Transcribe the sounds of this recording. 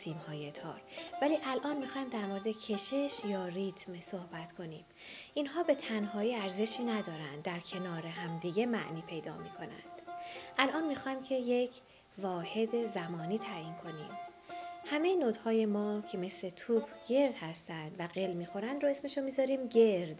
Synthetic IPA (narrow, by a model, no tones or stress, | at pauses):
siːmhɒːjet̪ʰɒ̰ːɾvæliːʔælʔɒːnmiːxɒːjimd̪æɾmoɾed̪e̞cʰe̞ʃe̞ʃjɒːrit̪ʰmsohbæt̪kʰo̞niːm | ʔinɦɒːbe̞t̪ʰænɦɒːiːæɾze̞ʃiːnæd̪ɒːɾænd̪ːæɾcʰe̞nɒːɾe̞ɦæmd̪iːɟe̞mæ̰ʔniːpʰe̞jd̪ɒ̰ːmiːkʰo̞næ̰nd̪̥ʔælʔɒːnmiːxɒːjmcʰe̞je̞cʰ | vɒːhe̞d̪e̞zæmɒːniːt̪ʰæːjiːnkʰo̞nḭːmhæmejenoːd̪hɒːje̞mɒːcʰe̞me̞sle̞t̪ʰuːbɡ̥e̞ɾd̪hæst̪ænd̪væɢelmiːxo̞ɾænd̪ɾoe̞sme̞ʃomiːzɒɾiːmɟe̞ɾd̪̥